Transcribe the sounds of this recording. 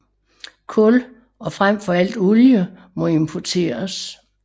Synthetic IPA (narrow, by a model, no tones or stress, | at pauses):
kʰɔ̽l | ɒ̽fʁam̰fɒ̽æl̰d̥oljə | mɒ̽e̝mpʰɒt͡sʰe̝̰ːɐs